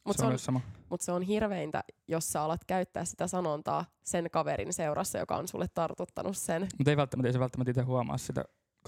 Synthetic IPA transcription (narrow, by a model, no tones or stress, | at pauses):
mut̪seosɑmɑmut̪seonɦirʋeint̪æ̰josːɑolɑt̪kæyt̪ːæːssi̥t̪æsɑnont̪ɑ̰ː | senkɑʋeɾḭnseuɾʔɑ̰sːɑjo̰kɑ̰o̰nsṵlːʔet̪t̪ɑrt̪ut̪ːɑnʔussenmut̪eiʋælt̪ːæmæt̪eiseʋælt̪ːæmæt̪it̪eɦuɑmɑ̰ːssit̪æ̰